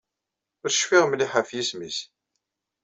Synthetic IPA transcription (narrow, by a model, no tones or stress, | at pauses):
ʊɾə̥ʃfiʁmliħafjismis